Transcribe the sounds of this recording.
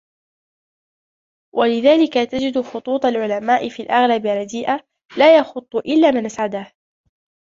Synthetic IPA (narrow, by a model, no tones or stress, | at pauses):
wʔalɪðaːlɪkat̪ad͡ʒɪd̪ʊxʊt̪ˤuːt̪ˤɑlʕʊlamaːʔɪfiːlʔɑɣlabɪrˤɑd̪iːʔa | laːjɑxʊt̪ˤːʊʔɪlːaːmanʔasʕad̪aːh